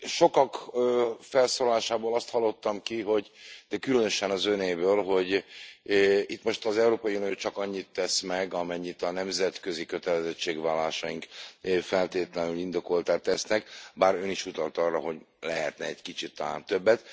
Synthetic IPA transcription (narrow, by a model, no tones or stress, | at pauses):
ʃo̞kɒkː | fɛlsoːlɒlaːʃaːboːlɒst̪hɒlːo̞t̪ːɒmkiɦo̞ɟt̪ɛkylønø̞ʃɛnɒzøneːbøːlɦo̞ɟ | it̪ːmo̞ʃt̪ɒzɛuɾoːpɒjiunijoːt͡ʃɒkɒɲːit̪ːɛsmɛɡɒmɛɲːit̪ɒnɛmzɛt̪kø̞zikø̞t̪ɛlɛzɛt͡ʃːeːɡʋvaːlːaːʃɒiŋkfɛlt̪eːt̪lɛnylind̪o̞ko̞lt̪aːt̪ːɛsnɛkbaːɾøniʃut̪ɒlt̪ɒrːɒɦo̞ɟ | lɛɦɛ̰t̪nɛɛɟkit͡ʃit̪ːɒla̰ːnt̪ø̞bːɛt̪